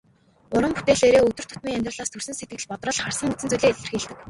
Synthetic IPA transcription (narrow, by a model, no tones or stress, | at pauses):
ʊɾə̆mput̪eːɮeːɾeːɵt̪ɵ̆r̥t̪ʰʊt̪miːŋamʲt̪rə̆ɮaːst̪ʰɵrsɘ̆nset̪̚ɡɘ̆ɮpɔt̪rə̆ɮχarsə̆ŋet͡sɘ̆t͡suɮeːɮɘ̆rxiɮt̪ɘ̆k